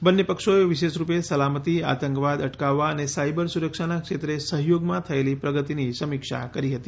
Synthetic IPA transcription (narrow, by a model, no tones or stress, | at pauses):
bənːepəkʂoeʋiʃeʃɾupesəlamət̪ia̰t̪əŋkʋad̪əʈkaʋːaənesajbəɾsuɾəkʂanakʂet̪ɾesəɦjoɡmãt̪ʰəelipɾəɡət̪inisəmikʂa̰kəɾiɦət̪i̥